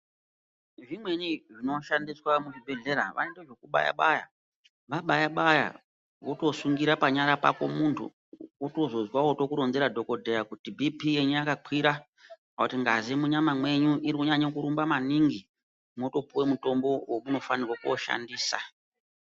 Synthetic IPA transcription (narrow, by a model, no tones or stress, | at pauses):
ʐimweɲiʐinoʃandiswamuʐibʱe̞ɮe̞ɾa̰ʋʔa̰endeʐekuɓa̰ja̰ɓaja̰ | ʋaɓajaɓaja̰ | woto̞suŋɡiɾapaɲaɾapa̰ko̞muntʰṵ | uto̞zo̞zwawoto̞kuɾonzeɾadʱo̞ko̞dʱejakutibʱipije̞ɲujakakwiɾa | autiŋɡazimuɲamamwe̞ɲuʔiɾikuɲaɲakuɾumbamaniŋɡi | moto̞puwemuto̞mbo̞womuno̞fanirwakuo̰ʃa̰ndiːsa̰